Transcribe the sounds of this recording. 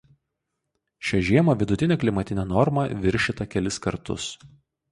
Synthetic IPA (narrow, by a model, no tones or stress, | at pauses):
ʃʲɛʒʲiɛmoːʋʲɪd̪ʊt̪ʲɪnʲɛːklʲɪmɐt̪ʲɪnʲɛnɔɾmɐʋʲɪɾʲʃʲɪt̪ɐkʲɛlʲɪskɐɾt̪ʊ̰s